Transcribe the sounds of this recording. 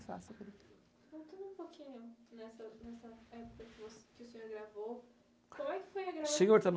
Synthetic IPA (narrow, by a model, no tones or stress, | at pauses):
fa̰sɐpeɾi | kõt̪ɐ̃nd̪ʊũpokʰĩɲʊnɛsɐnɛsɐɛpʊkɐkɪvoskɪʊsẽɲoɾɡɾavo | kõmʊɛkɪ̥fojɐɡɾasseɲoɾt̪ɐn